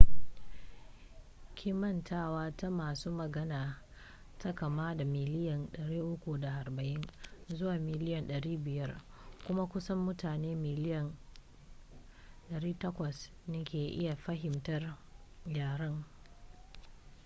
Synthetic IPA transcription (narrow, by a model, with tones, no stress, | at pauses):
kʲʰi˦mɐ˦ntʰaː˦waː˦ta˦maː˨suː˦mɐ˨ɡɐ˦naː˨ | tʰa˦kɐ˨maː˦da˨mɪ˨lɪ˦jɐ˨nɗɐ˨ɽiː˦ʔʊ˦kʷu˨da˨ʔa˨rbɐ˨ʔɪ˦nzʊ˦waː˨mɪ˨lɪ˦jɐ˨nɗɐ˨ɽiː˦bɪ˨jɐ˦rkʷʊ˦ma˦kʷʊ˦sɐ˦mːʊ˦taː˨neː˦mɪ˨lɪ˦jɐ˨n | ɗɐ˨ɽiː˦tɐ˦kʷɐ˨s | nɐ˦kʲeː˨ʔɪ̰˦ja˨ɸɐ˦ɦɪ˨mtɐ˦rjaː˨ɾɐ˦ŋ